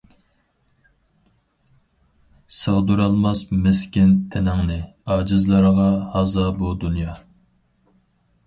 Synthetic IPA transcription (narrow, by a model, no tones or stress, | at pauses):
səʁd̪uɾɑlˠmɑsmɪskʲɪnt̪ʰenɪŋnɪɑːd͡ʒɨzlˠɑɾəʁɑhɑzɑbud̪unjɑ